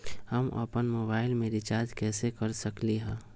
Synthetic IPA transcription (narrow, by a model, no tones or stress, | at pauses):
hɐmʔɐ̰pənmoːbaːɪlmeːɾit͡ʃaːd͡ʒkɛːsekəɾsəkliɦɛ̃ː